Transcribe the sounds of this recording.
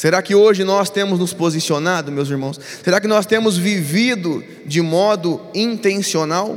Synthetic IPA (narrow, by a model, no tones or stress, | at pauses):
seɾakɪoʒɪnɔst̪ẽmʊznʊspozisionad̪ʊmewziɾmɐ̃w̃s | seɾakɪnɔst̪ẽmʊzvivid̪ʊ | d͡ʒɪmɔd̪ʊĩnt̪ẽsionaw